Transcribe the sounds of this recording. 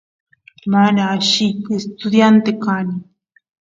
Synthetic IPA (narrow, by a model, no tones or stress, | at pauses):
manaːʃijkest̪ʊd̪jant̪ekanɪ